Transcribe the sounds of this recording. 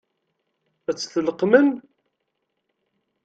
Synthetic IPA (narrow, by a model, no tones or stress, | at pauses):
æt͡sːθələqːmən